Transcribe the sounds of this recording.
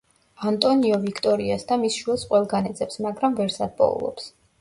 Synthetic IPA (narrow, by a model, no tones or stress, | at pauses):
ant̪ʼɔniɔvikʰt̪ʼɔɾiasd̪amisʃuɛlˠsqʼwɛlˠɡanɛd̪zʼɛpsmaɡɾamvɛɾsad̪̚pʼɔ̰ṵlˠɔ̰ps